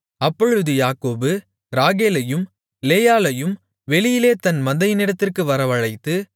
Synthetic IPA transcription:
ɐpːɔɻɯðɯjaːkoːbɯ | ɾaːɣeːlɐjɯm | leːjaːlɐjɯm | ʋɛɭɪjɪleːt̪ɐnmɐnd̪ɐjɪnɪɽɐt̪ːɪrkɯʋɐɾɐʋɐɻɐɪt̪ːɯ

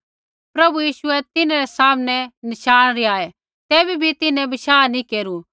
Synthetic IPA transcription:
pɾɐbujiːʃʊɛt̪ɪnãɾɛsaːmnɛnɐʃaːɽ̃ɾiaːɛ | t̪ɛːbʱibʱit̪ɪnɛ̃bɐʃaːnĩkeːɾu

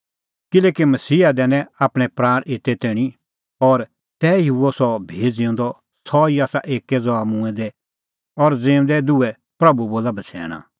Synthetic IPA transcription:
kɪleːkimɐsiːad̪ɛːnɛ̃aːpɽ̃ɛ̃pɾaːɽ̃ɪt̪ɛt̪ẽːi | ɔːɾ | t̪ɛiuɔsɔbʱeːd͡zɪõːnd̪ɔ | sɔiaːsa̰ʔeːkɛd͡zɔamũɛ̃d̪ɛ | ɔɾd͡zẽːd̪ɛd̪uɛ | pɾɐbuboːlabɐt͡ʃʰɛ̰ːɽ̃a̰

